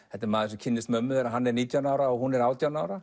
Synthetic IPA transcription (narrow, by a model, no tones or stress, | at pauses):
ɛht̪ːɛɾmaːðɪsʏcʰɪnːɪst̪mœmːðɛɾaɦanːɛɾniːt̪jawnaːwɾaɔɣhunɛɾaːwt̪jawnaːwɾa